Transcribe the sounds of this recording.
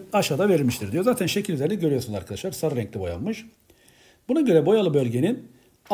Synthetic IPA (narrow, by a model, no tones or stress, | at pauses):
aʃaːd̪ave̞ɾilʲmiʃt̪ʰiɾd̪ijo̞zaːt̪ʰænʃe̞cʰilʲizʲeɾnɛɟø̞ɾyjo̞sunzaɾkʰad̪aʃlˠaɾsaɾɾɛŋclʲibo̞ja̰nmɯʃ | bunaɟø̞ɾɛbo̞jalˠɯbø̞lʲɟe̞nin